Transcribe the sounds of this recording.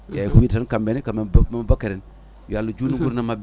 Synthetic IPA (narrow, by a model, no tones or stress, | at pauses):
jajkuwiːdsankambenikamebakeɾen | jjalːud͡ʒuniɡuɾnamab